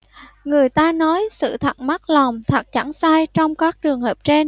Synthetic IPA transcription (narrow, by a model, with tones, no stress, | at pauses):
ŋɨ˨˩əjt̪aː˧nɔ˨˦jsɨ̰˧˨t̪ʰa˨˩t̚ma˦˥t̚lɔ˨˩wŋ͡mt̪ʰa˨˩t̚t͡ɕa˧˩ŋsaː˧jt͡ɕɔ˧wŋ͡mkaː˦˥k̚t͡ɕɨ˨˩əŋhəː˨˩p̚t͡ɕe˧n